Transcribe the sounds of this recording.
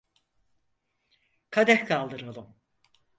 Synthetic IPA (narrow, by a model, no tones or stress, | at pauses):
kʰad̪ɛkkʰalˠd̪ɯɾalˠɯm